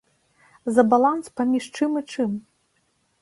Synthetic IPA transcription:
zɐbalˠanspamʲiʂt͡ʂɨmit͡ʂɨm

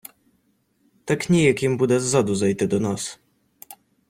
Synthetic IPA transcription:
t̪akɲɛjakʲɛmbud̪azːɔd̪uzajt̪ɛd̪ɔnas

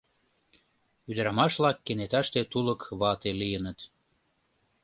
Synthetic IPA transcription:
yd̪əɾɑmɑʃlɑkːenet̪ɑʃt̪et̪uləkβɑt̪elijənət̪

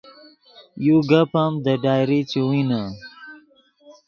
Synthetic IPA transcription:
juɡapamd̪əɖaːjɾit͡ɕiwina

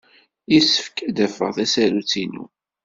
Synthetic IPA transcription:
jisə̥fkd̪æfə̰ʁθæsælut͡sːinṵ

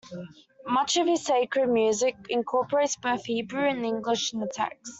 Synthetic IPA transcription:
mʌt͡ʃəv̥ɪz̥seɪkɹəd̚mjʉːzɪkɪ̃nkʰɔˑpəɹeɪtsb̥əʊθhiːbɹʉə̃nɪ̃ŋɡlɪʃə̃nətʰæ̰ks

